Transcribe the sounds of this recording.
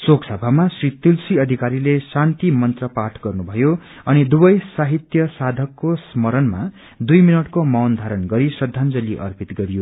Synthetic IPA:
soksʌbʱamasrit̪ilsiʌd̪ʱikaɾilesant̪imʌnt̪rʌpaʈʰɡʌrnubʱʌjo | ʌnid̪ubʌjsaɦit̪jʌsad̪ʱʌkːosmʌɾʌnma | d̪ujminʌʈkomawnd̪ʱaɾʌnɡʌɾisʌd̪ʱːand͡zʌliʔʌ̰rpit̪ɡʌɾijo

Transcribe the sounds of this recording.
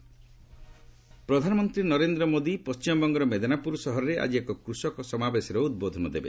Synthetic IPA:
pɾɔd̪ʱanɔmɔnt̪ɾinɔɾend̪ɾɔmod̪ipɔst͡ʃimɔbɔŋɡɔɾɔmed̪ʱanapuɾɔsɔɦɔɾɔɾeʔa̰d͡ʒiekɔkɾusɔkɔsɔmabesɔɾɔud̪̚bod̪ʱɔnɔd̪ebe

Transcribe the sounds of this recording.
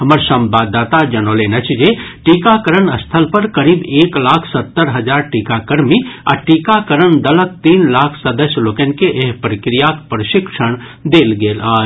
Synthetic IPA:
ɦɐməɾsɐmbaːd̪ːaːt̪ad͡ʒɐnoːlenɐt͡ʃʰd͡ʒeʈiːkakəɾənəst̪ʰəlpəɾkəɾiːbeːklaːkʰsɐt̪ːəɾɦɐd͡ʒaːɾʈiːkakəɾmia̰ʈiːkakəɾəɳd̪ɐlək̚t̪iːnlaːkʰsəd̪əsjloːkenkeʔeɦpɾəkɾijakpɾəʃɪkʂəɳ̃ | d̪eːlɡeːlaː

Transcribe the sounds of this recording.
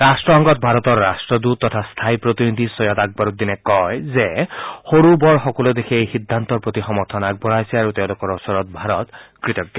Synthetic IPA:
ɹasʈɹɔɔŋɡɔt̪̚bʱaɾɔt̪ɔɹːasʈɹɔd̪ut̪ːɔt̪ʰast̪ʰajpɹot̪inid̪ʱisɔjɔt̪aɡ̚baɾut̪̚d̪inɛkɔjzexoɹubɔɹxɔkɔlɔd̪ekʰeejxid̪ʱːant̪ɔɹpɹot̪ixɔmɔɾt̪ʰɔnak̚bɔɹajsɛaɾut̪eʊ̃lʊkɔɹɔsɔɹɔt̪̚bʱaɾɔt̪kɹit̪ɔɡjɔ

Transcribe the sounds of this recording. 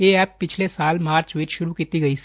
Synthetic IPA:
eːɛːpːɪt͡ʃʰlesaːlmaːɾt͡ʃʋit͡ʃʃʊɾukiːt̪iɡɐis

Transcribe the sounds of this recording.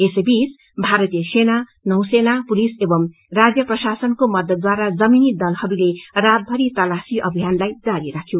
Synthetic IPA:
esebis | bʱaɾʌt̪ijʌsenanʌwsenapulisebʌm | rad͡zjʌprʌsasʌnkomʌd̪ʌt̪̚d̪waɾad͡zʌminid̪ʌlhʌbilerad̪̚bʱʌɾit̪ʌlasiʔʌbʱijanlajd͡zaɾiɾakʰjo

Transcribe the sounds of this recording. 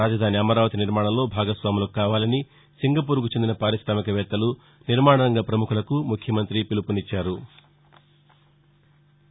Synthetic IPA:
aːd͡ʒɐd̪ʱaːniɐmɐɾaːʋɐt̪iniɾmaːɽɐmlo̞ːbʱaːɡɐsʋaːmuloːkkːaːʋaːlɐni | siŋɡɐp̬uːɾkut͡ʃend̪inɐpaːɾiʃɾaːmikɐʋɛːt̪ːɐlu | niɾmaːɳɐnɐŋɡɐpɾɐmukʰulɐkumukʰjɐmɐnt̪ɾipilupunit͡ʃːaːɾu

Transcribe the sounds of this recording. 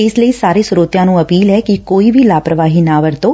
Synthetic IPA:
eːsləisaɾisɾot̪janũəpiːlɦɛkekoːiʋilapɾəʋaɦinaʋəɾt̪o

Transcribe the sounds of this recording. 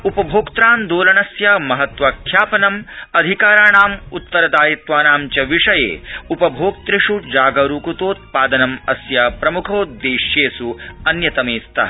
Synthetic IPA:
upɐbʱoːkt̪ɾaːnd̪oːlɐɳɐsjɐmɐɦɐt̪ʋɐkʰjaːpɐnɐmɐd̪ʱikaːɾaːɳaːmut̪ːɐɾɐd̪aːjit̪ʋaːnaːmt͡ʃɐʋiʂɐjḛːupɐbʱoːk̚t̪ɾiʂud͡ʒaːɡɐɾuːkut̪oːt̪̚paːd̪ɐnɐmɐ̰sjɐpɾɐmukʰoːd̪eːʃjeːsuɐnjɐt̪ɐmeːst̪ʰɐɐ

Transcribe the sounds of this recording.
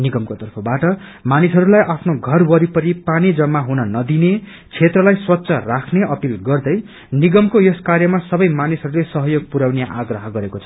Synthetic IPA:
niɡʌmkot̪ʌrpʰʌbaʈʌmanisʌɾulajʔapʰnoɡʱʌrwʌɾipʌɾipanid͡zʌmːaɦunʌnʌd̪ine | t͡sʰet̪rʌlajswʌtːsʰʌrakʰneʔʌpilɡʌrd̪ʌj | niɡʌmkojʌskarjʌmasʌbʌjmanisɦʌɾulesʌɦʌjoɡ̚puɾawnjaʔaɡrʌɦʌɡʌɾekot͡sʰʌ̥

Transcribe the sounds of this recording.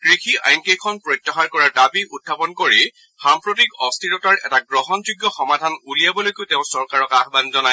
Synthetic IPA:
kɹixʰia̰jnkejkʰɔnpɹɔjtːaxaɹkɔɹaɹtapiʔut̚ʰːapɔnkoɹi | xampɹotikɔstʰiɹɔtaɹɛ̰taɡɹɔɦɔnzuɡjɔxɔmadʱanulijabɔlojkoteʊ̃sɔɹkaɹɔkaxbanzɔna

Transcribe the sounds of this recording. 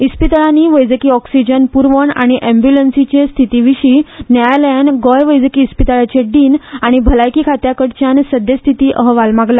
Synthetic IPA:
ispit̪əɭaniːʋəjd͡zəkiːɔksid͡ʑənpuɾʋəɳa̰ɽ̃iʔembjulənsit͡ɕest̪ʰit̪iʋiɕiːnajalaɳɖɡɔjʋəjd͡zəkiːspit̪əɭat͡ɕeɖiːnaɽ̃ibʱəlajkiːkʰat̪jakəɽt͡ɕjansəd̪jəst̪ʰit̪iːʔəɦʋalmaɡla

